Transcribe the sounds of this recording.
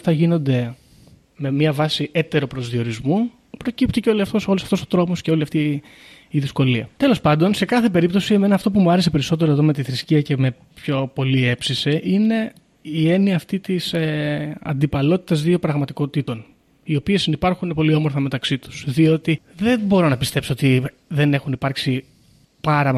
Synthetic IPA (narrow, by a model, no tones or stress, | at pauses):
θɐʝino̞nd̪e̞ | me̞mɲɐvɐsiʔet̪e̞ɾo̞pɾo̞zðio̞ɾizmu | pɾo̞cipt̪iceolisɐft̪o̞so̞lusɐft̪o̞sot̪ɾo̞mosceo̞liɐft̪iː | ðisko̞liɐ̰t̪e̞lo̞spɐnd̪o̞nse̞kɐθe̞pe̞ɾip̚t̪o̞sie̞me̞nɐːft̪o̞pumuɐɾe̞s̬e̞peɾiso̞t̪̬e̞ɾo̞e̞ðo̞me̞t̪iθɾisciɐce̞me̞ | pço̞po̞lie̞psise̞ʔine̞ | ie̞niɐːft̪it̪iseɐ̰nd̪ipɐlo̞t̪i̥t̪ɐzðio̞pɾɐɣmɐt̪iko̞t̪it̪o̞n | io̞pie̞sinipɐɾxunepo̞lio̞moɾθɐme̞t̪ɐksit̪u̥sðio̞t̪iðe̞bo̞ɾo̞nɐpist̪e̞pso̞ot̪i | ðe̞ne̞xunipɐɾksi | pɐɾɐ